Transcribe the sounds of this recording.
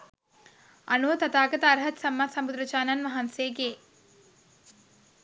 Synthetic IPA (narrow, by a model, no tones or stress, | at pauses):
a̰nuʋət̪at̪aːɡət̪əaɾɦɐt̪samːasɐmbud̪ɾət͡ʃaːnanʋaɦanseːɡeː